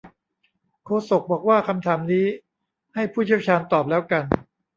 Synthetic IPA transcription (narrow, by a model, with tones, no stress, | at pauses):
kʰoː˧so˨˩k̚bɔː˨˩k̚waː˥˩kʰa˧mt̪ʰaː˩˦mniː˦˥ | ha˥˩jpʰuː˥˩i˥˩wt͡ɕʰaː˧nt̪ɔː˨˩p̚lɛː˦˥wka˧n